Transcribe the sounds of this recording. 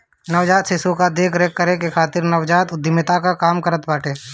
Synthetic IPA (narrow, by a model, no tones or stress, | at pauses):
nəʋd͡ʒaːt̪sɪsukad̪eːkʰɾeːkːəɾekekʰaːt̪ɪɾnəʋd͡ʒaːt̪ʊd̪ɪmɪt̪akakaːmkəɾət̪baːʈeː